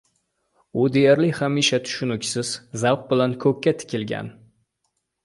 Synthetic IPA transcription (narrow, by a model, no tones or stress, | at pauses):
ʊd̪ejaɾlɪhamiʃat̪ʰʊ̥ʃʊnʊkʲsɪz̥zawq̚bɪlankʰɵkʲːat̪ʰɪ̥kʲɪlɡʲa̰n